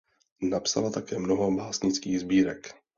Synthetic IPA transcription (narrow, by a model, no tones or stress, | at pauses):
napsa̰lat̪akɛːmnoɦobaːsɲɪt͡skiːɣzbiːɾɛk